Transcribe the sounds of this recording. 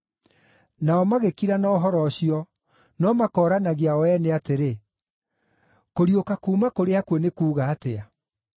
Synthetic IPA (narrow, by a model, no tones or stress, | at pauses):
naɔmaɣekiɾanɔːɦɔɾɔɕiɔ | nɔmakɔɾanaɣeawɛneateɾe | koɾiokakuːmakoɾeakwonekuːɣaːtea